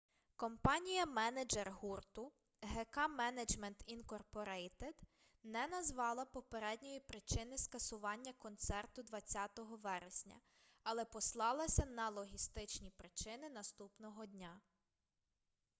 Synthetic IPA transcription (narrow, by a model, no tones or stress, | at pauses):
kɔmpɑnʲijɐmɛnɐd͡ʒerɦurt̪ʊ | ɦɛkɑmɛnɐd͡ʒmɛnt̪inkɔrpɔɾɛjt̪ed̪̥ | nɛnɐzʋɑlˠɐpɔpeɾɛdʲnʲɔjipɾɪt͡ʃɪnɪskɐsʊʋɑnʲːɐkɔnt̪sɛrt̪ʊd̪ʋɐt͡sʲːat̪ɔɦɔʋɛɾesʲnʲɐ̰ | ɐlˠɛpɔslˠɑlˠɐsʲɐnɐlˠɔɦʲist̪ɪt͡ʃnʲipɾɪt͡ʃɪnɪnɐst̪upnɔɦɔd̪ʲnʲa